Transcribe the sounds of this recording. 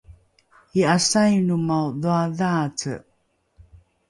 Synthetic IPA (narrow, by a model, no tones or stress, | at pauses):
iasajunumawðuaðat͡sə̰